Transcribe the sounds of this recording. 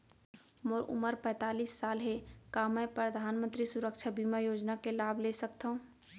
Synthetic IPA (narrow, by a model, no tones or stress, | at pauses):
moɾʔʊ̰məɾpɛ̃ːt̪aːliːsːaːlɦekaːmɛ̃pɾəd̪ʱaːnmə̃nt̪ɾisʊɾəkʃʰabʱiːmajoːd͡ʒnakelaːblesək̚t̪aɦũ